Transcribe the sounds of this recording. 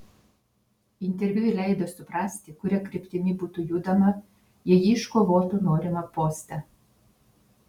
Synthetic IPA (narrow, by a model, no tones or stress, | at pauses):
ɪnʲt̪ʲɛɾʲʋʲʊjlʲɛɪd̪osʊpɾɑsʲt̪ʲɪkʊɾʲɛkɾʲɪpʲt̪ʲɪnʲɪbuːt̪uːjuːd̪ɐmɐ | jɛjiːɪʃkoʋoːt̪uːnoːɾʲɪmɐpoːsʲt̪ʲɛ